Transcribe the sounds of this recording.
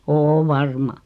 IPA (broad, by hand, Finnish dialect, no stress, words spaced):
oː ʋɑrmɑ